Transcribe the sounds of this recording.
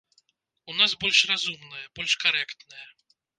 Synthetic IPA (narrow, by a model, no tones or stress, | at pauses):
unas̬bɔlʲʂrazumnɐjɐb̥ɔlʲʂkaɾɛkt̪nɐjɐ